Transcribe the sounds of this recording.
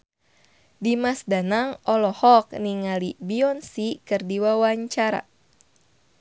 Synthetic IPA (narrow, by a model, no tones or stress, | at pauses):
dimasdanaŋɔlɔhɔk̚niŋalibiɔnsikɨrdiwawaɲt͡ʃaɾa̰